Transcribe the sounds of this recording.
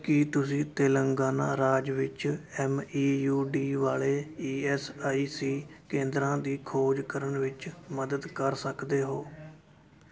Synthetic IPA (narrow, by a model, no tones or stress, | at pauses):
kɪt̪ʊsĩːt̪eːləŋɡaːnãːɾaːd͡ʒʋɪt͡ʃɛːmiːjuːɖiːʋaːleːiːɛːsaːiːsiːkẽːnd̪ɾãːd̪iːkʰoːd͡ʒkəɾəɳʋɪt͡ʃməd̪əd̪kəɾsəkd̪eːɦoː